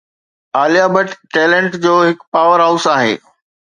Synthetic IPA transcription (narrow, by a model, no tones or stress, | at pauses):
aːlijaːbəʈːɛːlẽɳʈd͡ʑoːɦɪkpaːʋəɾɦaʊsaːɦḛː